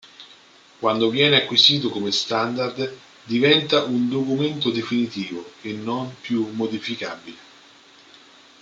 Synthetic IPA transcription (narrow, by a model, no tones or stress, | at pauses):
kwand̪ovjɛːneakːwisiːt̪okomest̪and̪ard̪ | d̪ivɛnt̪aʔund̪okument̪od̪efinit̪iːvoenːompjumːod̪ifikaːbile